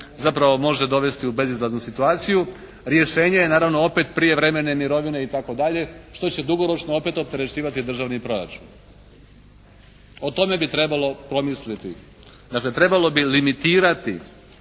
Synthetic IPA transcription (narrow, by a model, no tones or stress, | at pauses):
zapɾaʋo̞mo̞ʒed̪o̞ʋe̞st̪iube̞zizlˠaznusit̪uaːt̪siju | ɾje̞ʃe̞ːɲejenaːɾaʋno̞o̞pe̞t̪pɾije̞ʋɾe̞me̞ne̞miɾo̞ʋine̞it̪ako̞d̪aʎe̞ʃt̪o̞t͡ɕe̞d̪uɡo̞ɾo̞t͡ʃnoo̞pe̞t̪op̚t̪e̞ɾe̞t͡ɕiːʋat̪id̪r̩ʒaʋnipɾo̞ɾa̰t͡ʃṵːn | o̞t̪o̞me̞bit̪ɾe̞balo̞pɾo̞mislit̪i | d̪akle̞t̪ɾe̞balo̞bilimit̪iːɾat̪ḭ